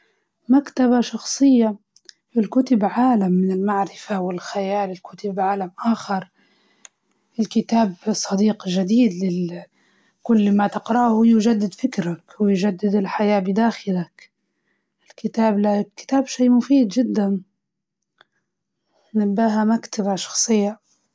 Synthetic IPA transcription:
makt̪aβaʃɑxsˤɨjːa | fɪlkʊt̪ɪbʕaːlamːɪnɪlmaʕɾɪfawɪlxajaːlɪlkʊt̪ɪbʕaːlamʔaːxɑɾˤ | ɪlkɪt̪aːbsˤːɑd̪iːqʒad̪iːd̪lɪ | kʊlːmat̪ɪqɾˤɑʔhʊjɪʒad̪ːɪd̪fɪkɾakwɪjʒad̪ːɪd̪ɪlħajaːbɪd̪aːxɪlak | ɪlkɪt̪aːblakɪ̥t̪aːbʃaːmʊfiːd̪d͡ʒɪd̪ːan | nabːaːɦamakt̪abaʃɑ̥xsˤɨjːa

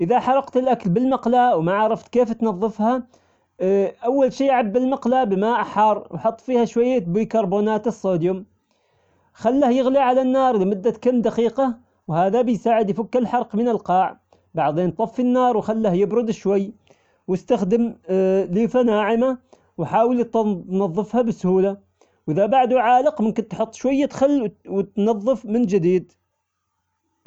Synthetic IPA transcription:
ʔɪðaħɑɾˤɑqt̪ɪlʔaklbɪlmaqlawmaʕaɾˤɑft̪keːft̪nɑðˤːɨfha | ʔawːalʃiːjʕabːɪlmɑqlabɪmaːʔaħɑrˤwħɑt̪ˤːfiːhaʃwajːabikɑɾˤboːnaːt̪ɨsˤːoːd̪jʊm | xalːahjɪɣliʕalanːɑːɾˤlɪmʊd̪ːakamːd̪aqiːqɑ | whaːðabɪjsaːʕɪd̪jfʊkːalħɑɾˤqmɪnɪlqɑːʕ | baʕd̪eːnt̪ˤɑfːinːɑːɾˤwxalːahjɪbɾʊd̪ʃwajː | wɪst̪axd̪ɪmliːfanaːʕɪma | wħaːwɪlt̪nɑðˤːɨfhabɪsʊhuːla | wʔɪðabaʕd̪uʕaːlɪqmʊmkɪnt̪ħʊt̪ˤːʃwajːat̪xalːwɪt̪nɑðˤːɨfmɪnd͡ʒɪd̪iːd̪

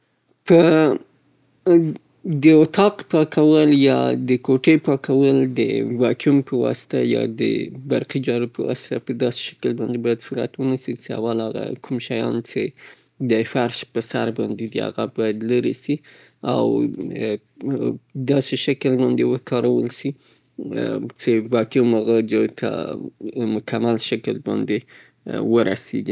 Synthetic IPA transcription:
pə | d̪əʊt̪ɑqpɑkawəljɑd̪əkoʈəjpɑkʰawəld̪ə̰wɑkʰumpʰəwɑ̰sɪ̥t̪ajɑ̰d̪ə̰baɾqid͡ʒɑɾopəwɑ̰sɪ̥t̪apəɾd̪ɑse̥ʃḁklbɑnd̪ebɑjad̪suɾa̰t̪wənisət͡ʃea̰walaɣa̰kʰumʃajɑ̰nt͡ʃe | d̪əfaɾʃpəsaɾbɑnd̪ed̪ia̰ɣabɑjad̪laɾesi | aw | d̪ɑseʃakəlbɑnd̪ewəkɑɾawəlsi | t͡sebɑkimaɣad͡ʒɑjt̪ʰa̰ | mʊkʰamalʃakəlbɑnd̪e | wəɾʔa̰sḛɡi

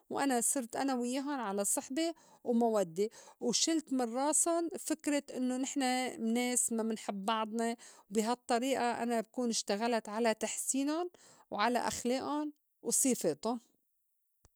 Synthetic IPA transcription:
wʔa̰nasˤɨɾt̪ʔa̰nawɪjːeɦʊnʕalasˤɑħbewmawad̪ːewʃɪlt̪mɪrˤːɑːsʊnfɪkɾɪt̪ʔɪnːonɪħnamneːsmamɪnħɪbːɑʕd̪ˤnɑwbɪɦat̪ˤːɑɾiːʔaʔa̰nab̚kuːnɪʃt̪aɣalat̪ʕalat̪aħsiːnʊn | wʕala̰ʔa̰xleːʔʊn | wsˤiːfeːt̪ʊn

